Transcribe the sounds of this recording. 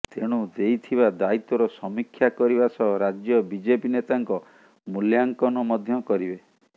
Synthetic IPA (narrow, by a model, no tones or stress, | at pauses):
t̪eɽ̃ud̪ejt̪ʰibad̪ait̪ɔɾɔsɔmikʰjakɔɾibasɔɦɾad͡ʒjɔbid͡ʒepinet̪aŋkɔ | muljaŋkɔnɔmɔd̪ʱjɔkɔɾibe